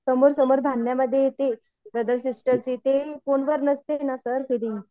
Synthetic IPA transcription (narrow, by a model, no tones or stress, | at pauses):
səmoɾsəmoɾd̪ʱanːjaməd̪ʱːjejet̪e | bəd̪əlsisʈəɾt͡ɕiːt̪ekonʋəɾnəst̪enasəɾɦiɾiŋɡ